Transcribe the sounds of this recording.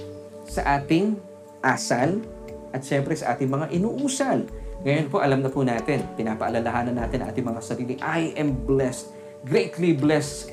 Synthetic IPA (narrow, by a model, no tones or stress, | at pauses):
sɐʔaːt̪ɪŋ | ʔaːsɐl | ʔɐt̪̚ʃɛmpɾɛsɐʔa̰ːt̪ɪŋmɐŋaʔɪnuːʔuːsɐlŋɐjonpoʔɐlamnɐpunaːt̪ɪnpɪnaːpɐʔɐlɐlɐɦaːnɐnːaːt̪ɪnɐ̰̃ʔa̰ːt̪ɪŋmɐŋasɐɾiːlɪŋʔajʔɛmblɛst̪̚ | ɡɾejt̪liblɛst̪